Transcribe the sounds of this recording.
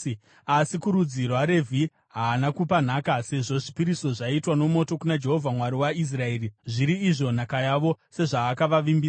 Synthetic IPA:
asikuɾud͡zirwaɾe̞vʱi | ɦaːnakupan̤aːkase̞ʐo̞ʐipiɾiso̞ʐaitwano̞mo̞to̞kunad͡ʒe̞ɦo̞vʱamwaɾiwais̬rae̞ːriʐiɾiːʐo̞n̤akajaʋo̞se̞ʐaːkaʋaʋimbiːa

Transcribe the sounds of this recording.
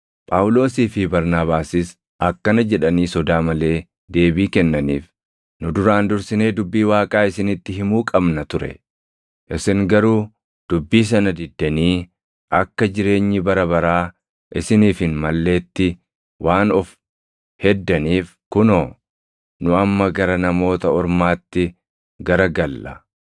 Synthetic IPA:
pʼawʊlo̞ːsiːfɪbɐɾnaːβaːsɪs | ʔɐkːɐnɐd͡ʒɛᶑɐniːsɔd̪aːmɐle̞ː | d̪e̞ːbiːkɛnːɐnḭːf | nʊd̪ʊɾaːnd̪ʊɾsɪne̞ːd̪ʊbːiːwaːkʼaːɪsɪnɪt̪ːɪɦɪmuːkʼɐbnɐt̪ʊɾɛ̰ | ʔɪsɪŋɡɐɾuː | d̪̥ʊbːiːs̬ɐnɐd̪ɪd̪ːɐniː | ʔɐkːɐd͡ʒɪɾe̞ːɲːɪbɐɾɐbɐɾaː | ʔɪsɪniːfɪnmɐlːe̞ːt̪ːɪ | wʔaːnɔf | hɛd̪ːɐniːf | kʊnoː | nʊɐmːɐɡɐɾɐnɐmo̞ːt̪ɐɔɾmaːt̪ːɪ | ɡɐɾɐɡɐlːʔɐ

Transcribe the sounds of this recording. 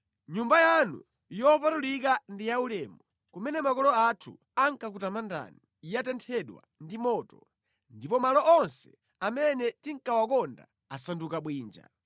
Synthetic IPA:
ɲumbajanṵ | jɔpatulikandijaulɛːmɔ | kumɛnɛmakɔlɔatʰṵ | aŋkak̬utamanda̰ni | ijatɛntʰɛɗwa̰ndimɔːtɔ | ndipɔmalɔʔɔnsɛ̥ | amɛnɛtiŋ̩kawakɔnda̰ | asandukaɓwiːnd͡ʒa̰

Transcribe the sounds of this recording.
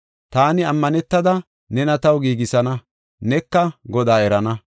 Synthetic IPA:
t̪aːnɪɐmːɐnɛt̪ːɐd̪ɐ | nɛnɐt̪ɐwɡiːɡɪsɐnɐ | nɛkːɐɡɔd̪aːɛɾɐnɐ

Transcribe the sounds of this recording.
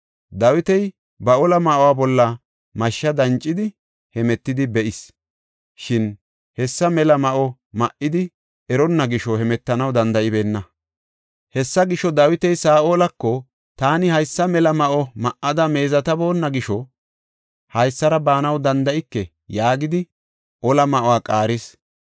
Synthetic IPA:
d̪ɐwɪt̪ɛj | bɐʔɔlɐmɐʔɔwaːbɔlːɐ | mɐʃːɐd̪ɐnt͡ʃʼːɪd̪ɪ | hɛmɛt̪ːɪd̪ɪbɛʔɪs | ʃɪn | hɛsːɐmɛlɐmɐʔɔ | mɐʔɪd̪ɪ | ɛɾɔnːɐɡɪʃɔhɛmɛt̪ːɐnɐwd̪ɐnd̪ɐʔɪbe̞ːnːɐ | hɛsːɐɡɪʃɔd̪aːwɪt̪ɛjsaːʔoːlɐkːɔ | t̪aːnɪhɐjsːɐmɛlɐmɐʔɔmɐʔɐd̪ɐme̞ːzɐt̪ɐbo̞ːnːɐɡɪʃɔ | hɐjsːɐɾɐbaːnɐwd̪ɐnd̪ɐʔɪkːɛ | jaːɡɪd̪ɪ | ʔɔlɐmɐʔɔwaːkʼaːɾɪs

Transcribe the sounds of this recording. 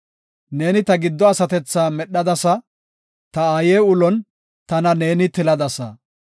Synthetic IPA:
ne̞ːnɪt̪ɐɡɪd̪ːɔɐsɐt̪ɛt͡sːaːmɛɗːɐd̪ɐsɐ | t̪ɐaːjeːʊlɔn | t̪ɐnɐne̞ːnɪt̪ɪlɐd̪ɐsɐ̰

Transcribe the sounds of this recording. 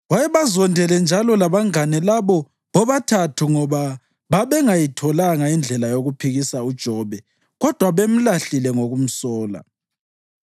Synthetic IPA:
wajɛβazɔndʱɛlɛnd͡ʒʱalɔlaβaŋanɛlaβɔ | βɔβatʰatʰuŋɔβa | βaβɛŋajitʰɔlaŋaind͡ɮʱɛlajoɣupʰiɣisaud̥ʒ̥ʱɔβɛ | ɣɔd̥ʱwaβem̩laɬilɛŋoɣum̩sɔːla̰

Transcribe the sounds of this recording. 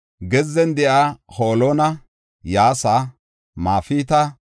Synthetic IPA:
ɡɛzːɛnd̪ɛʔaːhoːloːnɐ | jaːsa | maːfiːt̪ɐ

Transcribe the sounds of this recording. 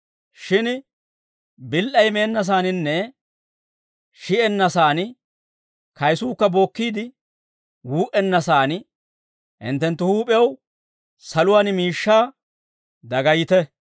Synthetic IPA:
ʃɪn | bɪlʔɐjme̞ːnːɐs̬aːnɪnːɛ | ʃɪʔɛnːɐsaːn | kɐjsuːkːɐbo̞ːkːiːd̪ɪ | wuːʔɛnːɐsaːn | ɪ̰nt̪ːɛnt̪ːʊhuːpʼɛɐw | sɐlʊwaːnɪmiːʃːaː | d̪ɐɡɐjɪt̪ɛ

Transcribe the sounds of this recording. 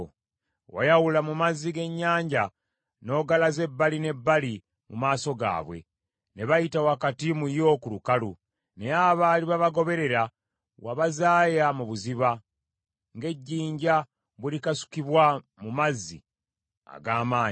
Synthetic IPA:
wa̰jawulamumazːiɡe̞ɲːaːɲɟa | no̞ːɡalaze̞bːaline̞bːali | mumaːso̞ɡa̰ːβwe̞̰ | ne̞βajitawakatimujo̞ːkulukalu | ne̞aβaːliβaβaɡo̞βe̞ɾe̞ɾa | waβazaːjamuβuziβa | ŋɡe̞ɟːiːɲɟa | βwilikasu̥kiβwa | mumazːḭ | a̰ɡaːmaːɲ

